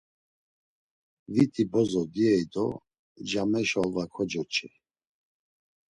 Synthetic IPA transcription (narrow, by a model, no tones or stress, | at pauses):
vit̪ʰʼibɔzɔd̪iɛjd̪ɔ | d͡ʒamɛʃɔlvakʰɔd͡ʒɔt͡ʃʰʼɛ